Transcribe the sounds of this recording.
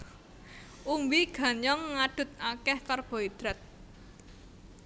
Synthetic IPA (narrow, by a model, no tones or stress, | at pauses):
ʔumbiɡ̥ä̤ɲɔŋːaɖ̥ʊ̤t̪̚akɛhkarb̥ɔ̤id̪̥ɾɛt̪̚